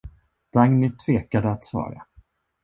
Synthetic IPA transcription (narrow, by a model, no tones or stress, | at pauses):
d̪̥aŋnɪt̪ʰv̥eːkad̪əat̪svɑ̰ːɾa̰